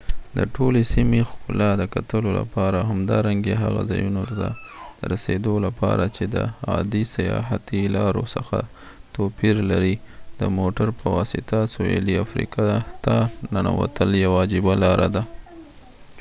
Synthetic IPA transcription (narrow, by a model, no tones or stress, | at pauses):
d̪əʈolesimexʊlɑd̪əkat̪əlola̰pɑɾaɦamd̪ɑɾaŋɡeɦaɣa̰zɑjunot̪ad̪̥əɾased̪olapɑ̰ɾat͡ʃed̪ə̰ɑd̪isajɑ̰ɦat̪ilɑɾosəxa | t̪opiɾlaɾid̪̥əmoʈaɾpəwɑsɪt̪asoḛliafɾḭkɑt̪ɑnana̰wa̰t̪əljawɑd͡ʒɪbalɑɾad̪a